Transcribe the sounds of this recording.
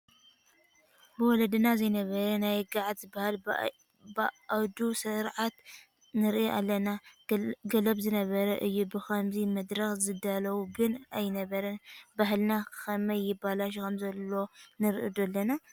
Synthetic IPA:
bɨwɔlɐd̪ɨnazɐjnɐβɐɾɐnajɡaʕad̪zɨbahal | bʔawd̪usɨɾʕat̪ | nɨɾʔiʔa̰lːɐna | ɡɐlɐbzɨnɐβɐɾɐʔɨjːubɨxɐmzimɐd̪ɾɐxzɨd̪alɐwuɡɨnajnɐβɐɾɐbaɦlnakʰɐmɐjːɪbalaʃ̬ikʰɐmzɐlːo̞nɨɾʔɨd̪ulːɐna

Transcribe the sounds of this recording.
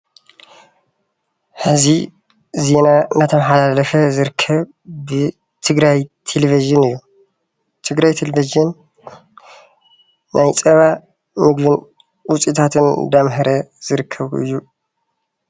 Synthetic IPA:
ħɨzi | ze̞nanat̪ʰɐmħalalɐfɐzɨɾɨkʰːɐβ | bɨ | t̪ʰɨɡɾajt̪ʰelevizɨnɨjːu | t̪ʰɨɡɾajt̪ʰelevizɨn | ʔajt͡sʼɐβa | mɨɡβɨn | wʊt͡sʼit̪ʰat̪ʰɨnd̪amɦɐɾɐz̥ɨɾɨkʰːɐβɨ̰jːu

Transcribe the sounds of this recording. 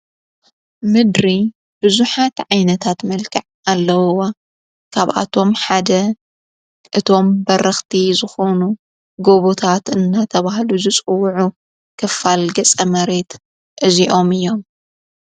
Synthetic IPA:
mɨd̪ɾi | b̥ɨzuħat̪ʕajnɐt̪ʰat̪mɐlkʰɐʕ | alːɐwwa | kʰaβʔa̰t̪ʰo̞mħad̪ɐ | ʔɨt̪ʰo̞mbɐɾɐxt̪ʰizɨxo̞nu | ɡo̞βot̪ʰat̪ɨnːat̪ʰɐβaɦluzɨt͡sʼɨwːʕu | kʰɐfːalɡɐt͡sʼɐmɐɾe̞t̪ | ʔɨziʔo̞mɨjːo̞m

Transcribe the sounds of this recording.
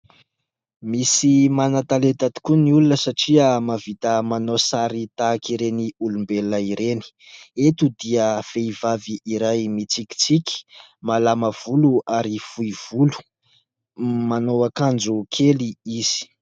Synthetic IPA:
misimanat̪alet̪at̪i̥kuniulunəsaʈ͡ʂiəmavit̪əmanosaɾit̪aːkiɾeniulumbeləiɾeni̥ | et̪ud̪iəfeivaviʔiɾajmit͡siki̥t͡sikʲi̥ | malaməv̥uluʔaɾifuiv̥ulu̥ | manowakand͡zukʰeliiz̥i̥

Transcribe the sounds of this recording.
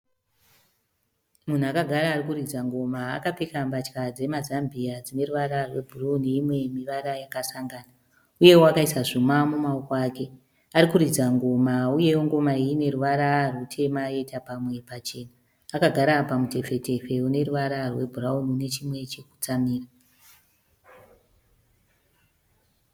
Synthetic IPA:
mun̤uakaɡʱaɾaːrikurid͡zaŋɡo̞ma̰ːkapekambat͡ʃkad͡ze̞mazambiad͡zine̞ruʋaɾarwe̞bʱurauniːmwe̞miʋaɾajakasaŋɡaːna | uje̞woakaisaʐumamumaukoaːke̞ | arikuɾid͡zaŋɡo̞mauje̞ŋɡo̞maiːne̞ruʋaɾarutʰe̞maje̞tʰapamwe̞pat͡ʃe̞ːnaː | kaɡʱaɾapamute̞fe̞te̞fe̞une̞ruʋaɾarwe̞bʱurauniune̞t͡ʃimwe̞t͡ʃe̞ku̥t͡samiːra

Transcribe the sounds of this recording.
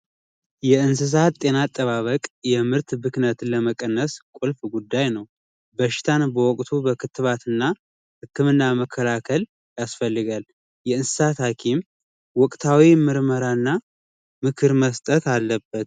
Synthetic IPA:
jɛɨns̬ɨs̬at̪ʼe̞nat̪ʼːəβaβəkʼjɛmɨɾt̪bɨknət̪ləməkʼənːəskʷʼulfɡud̪ːajnəw | bəʃɪ̥t̪ʰanbəwɔkʼt̪ʰubəkʰɨt̪ʰːɨβat̪ʰɨnːa | hɨkːɨmɨnːaməkʰːəlakʰəl | jasfəlːɨɡal | jɛɨnsɨ̥sat̪hakʰim | wɔkʼt̪ʰawimɨɾməɾanːa | mɨkʰɨɾməst̪ʼət̪alːəbːət̪

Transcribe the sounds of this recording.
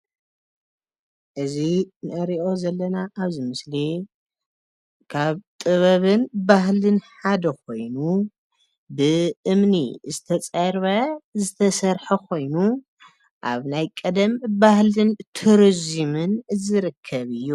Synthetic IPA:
ʔɨzinɨʔɐɾiʔo̞zɐlːɐnaʔaβzimɨsli | kʰaβt̪ʼɨβɐβɨnbahlɨnħad̪ɐko̞jnu | bɨʔɨmnḭzɨt̪ʰɐt͡sʼɐɾβɐzɨt̪ʰɐsɐɾħɐkʰo̞jnu | ʔa̰βnajkʼɐd̪ɐmbahlɨnt̪ʰɨɾzimɨnzɨɾɨkʰːɐβɨjːu

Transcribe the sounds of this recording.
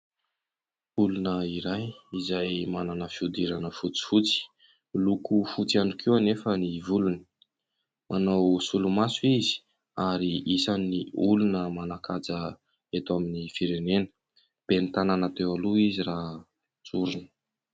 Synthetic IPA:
ulunəiɾajizajmananəfiud̪iɾanəfut͡si̥fut͡si̥ | lukufut͡sianukiwanefənivulunə̥ | mʔanawsulumasuizi̥ | aɾiisaniulunəmanakʰad͡zə | et̪aminifiɾenenə̥ | b̥enit̪ananat̪ewaluizira | t͡suɾunə̥

